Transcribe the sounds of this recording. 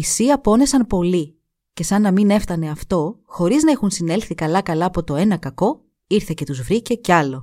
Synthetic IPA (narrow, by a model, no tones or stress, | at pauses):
isiɐpo̞ne̞sɐnpo̞li | ce̞sɐnːɐmine̞ft̪ɐne̞ɐft̪o̞xo̞ɾiznɐexunsine̞lθikɐlɐkɐlɐːpo̞t̪o̞e̞nɐkɐko̞ | iɾθe̞ce̞t̪uzvɾice̞ceɐlo̞